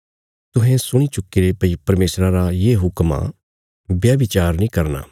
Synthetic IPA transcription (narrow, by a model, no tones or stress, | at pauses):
t̪ʊɦɛ̃sʊɽ̃it͡ʃʊkːiɾepɐipɐɾmeːsɾaɾajeːɦʊkma̰ | bjaːbɪt͡ʃaːɾnĩːkɐɾna̰ː